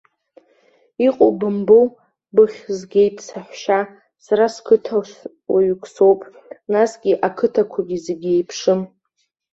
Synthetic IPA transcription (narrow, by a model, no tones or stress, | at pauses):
iqʼo̰bɨmbow | bɨχʲzɡʲe̞jtʼsaħʷʃa | saɾaskʰɨtʰa | waɥkʰʷʼso̞wpʼ | nasɡʲiʔakʰɨtʰakʷʰaɡʲizeɡʲie̞jpʰʂɨm